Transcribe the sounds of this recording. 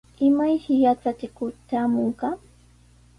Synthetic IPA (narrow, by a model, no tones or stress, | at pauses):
ɪmajhɪjat͡sat͡ʃɪkʊt̪aːmoɴqɑ